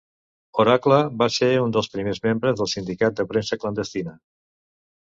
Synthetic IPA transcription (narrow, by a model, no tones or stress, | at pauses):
oɾakləβaseund̪əlˠspɾimezmembɾəzðəlˠsind̪ikat̪̚d̪əpɾensəklənd̪əst̪inə